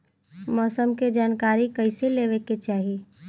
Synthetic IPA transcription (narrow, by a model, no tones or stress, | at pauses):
mɔːsəmked͡ʒaːnkaːɾikəɪseleːʋeket͡ʃaːɦi